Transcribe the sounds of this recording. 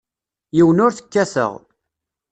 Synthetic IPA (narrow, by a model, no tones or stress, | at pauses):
jiwənʊɾθə̥kːæsə̰ʁ